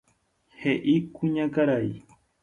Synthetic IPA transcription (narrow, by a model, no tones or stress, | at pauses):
heʔikʊɲakaɾaj